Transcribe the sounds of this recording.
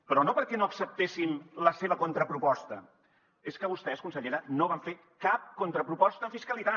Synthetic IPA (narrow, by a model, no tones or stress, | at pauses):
pɾɔnopəɾkɛnoəksəp̚t̪esimləseβ̞əkont̪ɾəpɾupɔst̪ə | eskəβust̪ɛskunsəʎeɾənoβaɱfe | kap̚kont̪ɾəpɾupɔst̪əɱfiskəlit̪a